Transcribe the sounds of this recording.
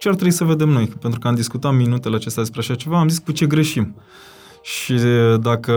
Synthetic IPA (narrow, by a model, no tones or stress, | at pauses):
t͡ʃeart̪ɾebisəve̞d̪e̞mno̞jpe̞nt̪ɾukəamd̪iskut̪at̪minut̪e̞leat͡ʃe̞st̪ʲad̪espɾeaʃat͡ʃe̞vaːmziskut͡ʃe̞ɡɾe̞ʃim | ʃid̪akə